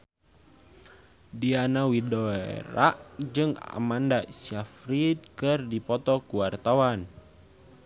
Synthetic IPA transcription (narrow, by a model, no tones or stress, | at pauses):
dianawidɔḛɾaʔd͡ʒɨŋa̰mandasafɾit̪̚kɨrdipɔt̪ɔkuwart̪awan